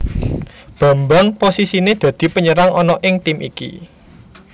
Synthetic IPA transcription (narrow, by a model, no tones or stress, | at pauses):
b̥ä̤mbaŋposisined̪̥ä̤d̪̥i̤pəɲəɾaŋʔɔnɔʔɪŋt̪imʔḭkḭ